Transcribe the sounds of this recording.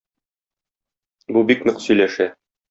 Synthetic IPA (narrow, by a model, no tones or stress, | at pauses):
bubiknɵqsɵ̆jlæʃæ